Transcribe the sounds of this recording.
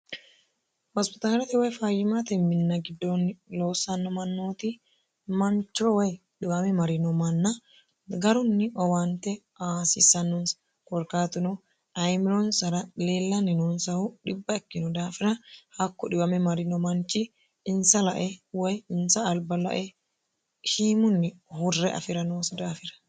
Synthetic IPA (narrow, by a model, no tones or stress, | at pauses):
hɔspɪt̪aːlɐt̪ɪwɔjfaːjɪmat̪ɛmːɪnːɐɡɪd̪ːonːɪlo̞ːsːɐnːɔmɐnːoːt̪ɪ | mɐnt͡ʃːɔwɐj | ɗɪwɐmɛmɐɾɪnɔmɐnːɐ | ɡɐɾʊnːɪʔɔwɐnt̪ɛ | aːsɪsɐnːɔns | kɔɾkaːt̪ʊnɔ | ʔɐjmɪɾɔnsɐɾɐleːlːɐnːɪnʊnsɐhʊᶑɪbːɐɛkːɪnɔd̪aːfɪɾɐhɐkːɔᶑɪbɐmɛmɐɾɪnɔmɐnt͡ʃɪ | ɪnsɐlɐʔɛwɐjɪnsɐːlbɐlɐ̰ʔɛ | ʃiːmʊnːɪhʊrːɛʔɐ̰fɪɾɐnoːsɐd̪aːfɪɾɐ̥